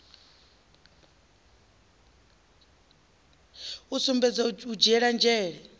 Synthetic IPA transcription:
usumbɛd͡zaud͡ʒɛɺand͡ʒɛːɺɛ

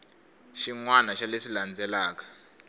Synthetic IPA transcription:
ʃiŋwanaʃaleʂiland͡zɛlaːkḁ

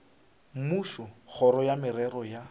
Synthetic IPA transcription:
muʃɔχɔɾɔjamɪɾɛrɔja

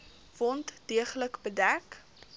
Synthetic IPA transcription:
v̥ɔntdiəχləkbədæk

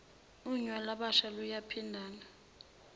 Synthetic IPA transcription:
uɲwalaɓaʃalujapʰindʱaːna

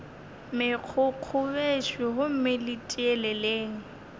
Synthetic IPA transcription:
mɪq͡χʰʊq͡χʰʊbeʃwɪɦʊm̩mɪlɪtʼiɛlɛleːŋ̩

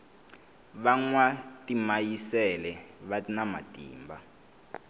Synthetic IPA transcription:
βaŋwatimajisɛlɛβainama̰tʼḭːmba

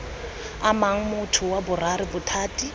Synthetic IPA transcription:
amaŋ̩mʊtʰʊwabʊraɾɪbʊtʰaːtʼi

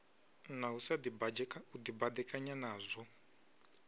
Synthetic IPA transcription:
nausadibud̪ibad̪ɛkʼaɲanaːzʷɔ

